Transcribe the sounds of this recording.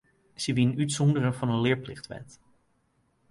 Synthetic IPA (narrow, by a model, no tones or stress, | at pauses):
siʋinytsɔndərənvɑnənlɪːɹplɪ̰χtʋɛ̰t